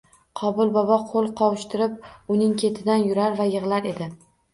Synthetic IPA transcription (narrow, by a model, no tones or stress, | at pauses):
qʰɒbʊlˠbɒbɒqʰolˠqʰɒwʃt̪ʰɪɾɪp̚ʊnɪŋkʲʰe̞t̪ʰɪd̪anjʊɾaɾvajɨʁlˠaɾe̞d̪ɪ